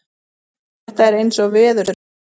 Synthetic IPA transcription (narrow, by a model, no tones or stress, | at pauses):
ht̪aɛɾejnsɔɣvɛːðʏɾʏ